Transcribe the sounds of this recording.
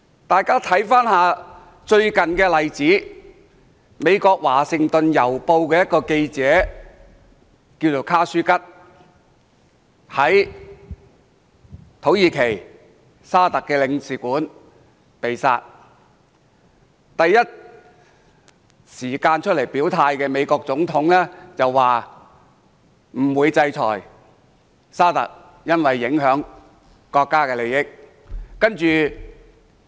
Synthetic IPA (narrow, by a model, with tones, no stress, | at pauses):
t̪aː˨jkaː˥t̪ʰɐ˨˥jfaː˥nhaː˨˧ | t͡ʃɵ˧ɥkɐ˨nkɛː˧lɐ˨jt͡siː˨˥ | me˨˧jkɔː˧k̚waː˨˩sɪ˨˧ŋt̪ɵ˨njɐ˨˩wpo˧wkɛː˧jɐ˥t̚kːɔː˧ke˧jt͡sɛː˨˥ | kiː˧wt͡so˨˩wkʰaː˥syː˥kɐ˥t̚ | hɐ˨˥j | t̪ʰo˨˥wjiː˨˧kʰe˨˩j | saː˥t̪ɐ˨kːɛː˧lɪ˨˧ŋsiː˨kuː˨˥n | pe˨jsa̰ː˧t̚ | t̪ɐ˨jːɐ˥t̚ | siː˨˩kaː˧nt͡ʃʰɵ˥t̚le˨˩jpiː˨˥wt̪ʰaː˧jkɛː˧me˨˧jkɔː˧k̚t͡sʊ˨˥ŋt̪ʰʊ˨˥ŋlɛː˥t͡sɐ˨wːaː˨ | m̩˨˩wuː˨˧jt͡sɐ˧jt͡sʰɔ̰ː˨˩j | saː˥t̪ɐ̰˨k̚ | jɐ˥nwɐ˨jːɪ˨˥ŋɦœː˨˥ŋ | kɔː˧kːaː˥kɛː˧le˨jɪ˥k̚ː | ɐ˥nt͡ʃyː˨